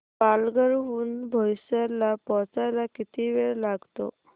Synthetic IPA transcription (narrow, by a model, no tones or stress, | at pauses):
palɡəɾuːnbʱɔʋsalapɔt͡sajlakit̪iʋeɭlaɡt̪o̰